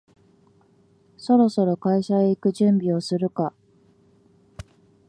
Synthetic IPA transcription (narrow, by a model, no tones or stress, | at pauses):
so̞ɾo̞so̞ɾo̞kaiɕaeikɯ̟ʑɨ̃mbʲio̞sɨɾɯ̟ka